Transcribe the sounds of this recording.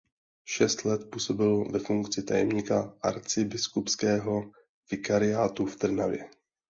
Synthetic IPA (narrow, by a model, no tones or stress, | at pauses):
ʃɛst̪lɛt̪puːso̞bɪlvɛfuŋkt͡sɪt̪a̰jɛmɲiːkaʔa̰ɾt͡sɪbɪskupskɛːɦo̞ | vɪkaɾɪjaːt̪uft̪r̩navjɛ̰